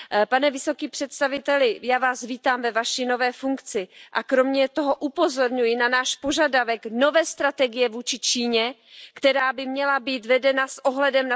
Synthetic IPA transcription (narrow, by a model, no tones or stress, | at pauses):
panɛvɪso̞kiːpr̝̥ɛt̪st̪avɪt̪ɛlɪjaːvaːsviːt̪aːmvɛvaʃino̞vɛːfuŋkt͡sɪʔakɾo̞mɲɛt̪o̞ɦo̞ʔupo̞zo̞ɾɲujɪnanaːʃpo̞ʒadavɛkno̞vɛːst̪ɾat̪ɛɡɪjɛvuːt͡ʃɪt͡ʃiːɲɛ | kt̪ɛɾaːbɪmɲɛlabiːt̪vɛdɛnasʔoɦlɛdɛmna